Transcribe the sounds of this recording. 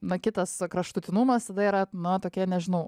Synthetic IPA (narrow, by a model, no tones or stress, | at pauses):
nɐkʲɪt̪ɐskɾɐʃt̪ʊt̪ʲɪnumɐst̪ɐd̪ɐiːɾɐnʊt̪oːkʲiɛnʲɛʒʲɪnɐʊ